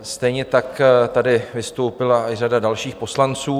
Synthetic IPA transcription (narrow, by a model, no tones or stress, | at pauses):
st̪ɛjɲɛt̪akt̪adɪvɪst̪o̞wpɪlaɪradadalʃiːxpo̞slant͡suː